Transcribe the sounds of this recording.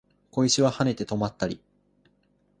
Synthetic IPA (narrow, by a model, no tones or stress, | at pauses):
ko̞iɕiβahane̞t̪e̞t̪o̞mat̪ːaɾʲi